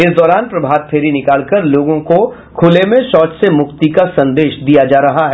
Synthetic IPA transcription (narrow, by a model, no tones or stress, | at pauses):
ɪsd̪ɔːɾaːnpɾɐbʱaːd̪̚pʰeːɾinɪkaːlkɐɾloːɡõko | kʰʊlemẽʃɔːt͡ʃsemʊkt̪ikasɐ̃nd̪eːʃd̪ijad͡ʒaːɾɐɦaɦɛː